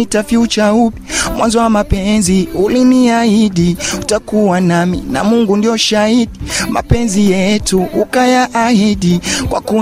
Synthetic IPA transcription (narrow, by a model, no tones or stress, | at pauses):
itafiut͡ʃaupi̥mwʔa̰nzɔwamapɛnziuliniahiɗiutakuwanamḭna̰muŋɡundiɔʃahiɗima̰pɛnzijɛtuukajaʔahiɗikwa̰ku